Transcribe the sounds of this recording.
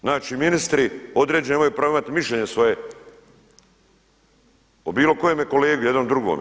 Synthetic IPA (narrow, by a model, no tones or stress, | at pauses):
naːt͡ʃiminist̪ɾio̞d̪ɾed͡ʑenemojupɾaʋoimat̪imiʃʎʲeɲesʋo̞je | obiːlo̞ko̞jomjeko̞leːɡujed̪nomd̪ɾuɡo̰m